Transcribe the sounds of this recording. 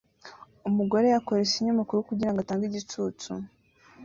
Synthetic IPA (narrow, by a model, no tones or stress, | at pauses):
umuɡo̞ɾe̞jako̞ɾesiɲumakuɾukuɟiɾaŋɡataːŋɡiɟitut͡sṵ